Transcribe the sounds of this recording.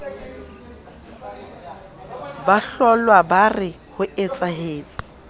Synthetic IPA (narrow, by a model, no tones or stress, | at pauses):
baɬɔlwabarɪ | hʊɪt͡sʼaɦeːt͡sʼɪ̥